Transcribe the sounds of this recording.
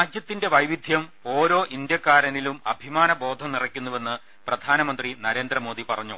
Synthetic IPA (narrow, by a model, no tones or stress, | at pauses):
aːd͡ʑjɐt̪ːinde̞ʋɐjʋid̪ʱjɐmo̞ːɾo̞ːʔind̪jɐkːaːɾɐnilumɐbʱimaːnɐbo̞ːd̪ʱɐmnirɐkʲːunːuʋe̞nːɨ | prɐd̪ʱaːnɐmɐnd̪rinɐɾe̞ːnd̪rɐmo̞ːd̪ipɐrɐɲːu